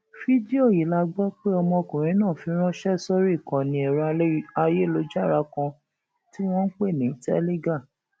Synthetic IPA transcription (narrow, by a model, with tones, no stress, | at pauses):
fi˦di˦o˦˨ji˨˦la˧ɡ͡bɔ˦k͡pe˦ɔ˧mɔ̃˧kũ˨ɾ̃ĩ˨˦nãː˦˨fi˧˦ɾ̃ɔ̃˦ʃɛ˦˨sɔ˦ɾi˦i˦˨kɔ̃˨nĩ˧ɛ˨ɾa˧a˧je˦˨lo˧˦d͡ʒa˦˨ɾa˨˦kɔ̃˧ | ti˦w̃ɔ̃˦n̩˦k͡pe˦˨nĩ˨˦tɛ̰˦le˦ɡa˦˨